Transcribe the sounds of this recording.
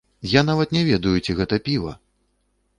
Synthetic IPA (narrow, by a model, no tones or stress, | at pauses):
janavɐt̪nʲɛvʲɛd̪ɐjut͡sʲiɣɛt̪ɐpʲivɐ̰